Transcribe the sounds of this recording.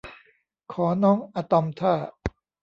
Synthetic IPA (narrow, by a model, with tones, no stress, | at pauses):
kʰɔː˩˦nɔː˦˥ŋʔa˧t̪ɔ˧mt̪ʰaː˥˩